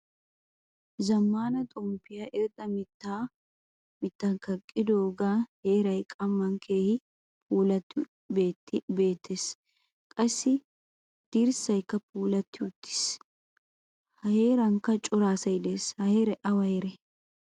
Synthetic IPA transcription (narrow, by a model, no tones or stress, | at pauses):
zɐmːaːnɐt̪ʼɔmpɪjaʔɪɾt̪ʼɐmɪt̪ːaː | mɪt̪ːankɐkʼːɪd̪oːɡaːhe̞ːɾɐjkʼɐmːɐŋkʰe̞ːhɪ | pʰuːlɐt̪ːɪ | beːt̪ːɪbe̞ːt̪ʰːes | kʼɐsːɪ | d̪̥iːɾsɐjkːɐpuːlɐt̪ːɪʊt̪ːɪ̥s | hɐheːɾɐŋkːɐt͡ʃʼʊɾaːsɐjd̪eːshɐheːɾɛʔɐwɐjɾɛ